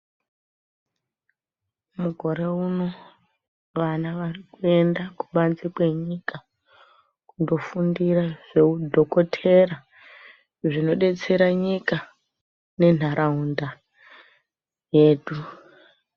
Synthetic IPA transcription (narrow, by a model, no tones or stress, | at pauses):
muɡʱo̞ɾe̞uno̞ | ʋanaʋarikue̞ndakuɓanzikwe̞ɲika | kundo̞fundiraʐe̞udʱo̞ko̞tʰe̞ra | ʐino̞ɗe̞t͡se̞ɾaɲika | ne̞n̤aɾʔaunda | je̞ːɗu